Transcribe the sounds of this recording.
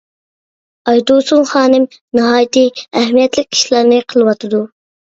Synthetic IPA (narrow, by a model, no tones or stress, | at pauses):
ɑjd̪osuŋχɑːnɪm | nɨɦɑːjt̪ɨæɦmijɛt̪lɪk̚ʲʰːi̥ʃlˠɑɾnɨqʰəlˠɨwɑt̪ʰɨd̪u